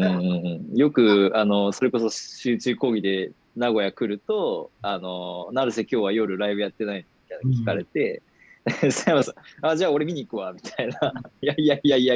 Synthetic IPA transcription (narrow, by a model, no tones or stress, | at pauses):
ɯ̃ːɴɯ̟̃ɴɯ̃ːɴjo̞kɯ̟ano̞so̞ɾe̞ko̞so̞ɕɨːt͡ɕɨːko̞ːɡʲid̪e̞ | naɡo̞jakɯ̟ɾɯ̟t̪o̞ano̞nãnd̪esekʲo̞ːβajo̞ɾɯ̟ɾaibɯ̟jat̪ːe̞nainmʲit̪ainakʲi̥kaɾe̞t̪e̞ | seβasaːd͡ʑaːo̞ɾemʲiɲ̟iːkɯ̟βamʲit̪ʰainajaijaijaija